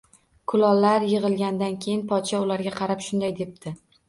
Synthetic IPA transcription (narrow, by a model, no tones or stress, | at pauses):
kʰʊlɒlːaɾjɨʁɨlˠɡʲand̪ankʲʰe̞jɪnpʰɒt̪ʃaʊlaɾɡʲaqʰɑɾapʃʊnd̪ajd̪e̞p̚t̪ʰɪ